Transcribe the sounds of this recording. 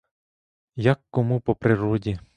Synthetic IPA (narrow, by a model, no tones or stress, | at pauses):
jakːɔmupɔpɾɪɾɔdʲi